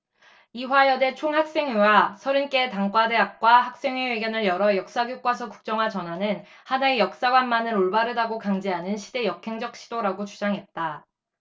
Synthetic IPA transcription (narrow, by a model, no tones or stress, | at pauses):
iwajʌde̞t͡ɕʰoŋhak̚s͈e̞ŋjuwasʰʌɾink͈e̞ːtaŋk͈wade̞ɦak̚k͈waɦak̚s͈e̞ŋɥeweɡjʌnɯɭjʌɾʌjʌk̚s͈aɡjok͈wasʰʌku̥k̚t͡ɕ͈ʌŋɦat͡ɕʌnɦanɯn | hanaejʌk̚s͈aɡwanmanɯɾoɭbaɾɯdaɡokaŋd͡ʑeɦanɯnɕʰide̞jʌkʰe̞ŋd͡ʑʌk̚ɕ͈ʰidoɾaɡot͡ɕud͡ʑaŋɦe̞t̚t͈a